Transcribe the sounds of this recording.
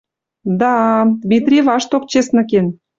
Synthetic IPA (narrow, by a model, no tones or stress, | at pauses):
d̪ɑd̪mʲit̪rʲivɑʃt̪ok̚t͡ɕesnə̆ken